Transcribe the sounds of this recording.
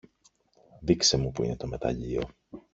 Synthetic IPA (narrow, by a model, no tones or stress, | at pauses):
ðikse̞mupuḭne̞t̪o̞me̞t̪ɐ̰ʎio̰